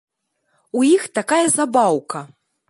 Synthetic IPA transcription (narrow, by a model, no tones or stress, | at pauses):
ujixt̪akajɐzabawkɐ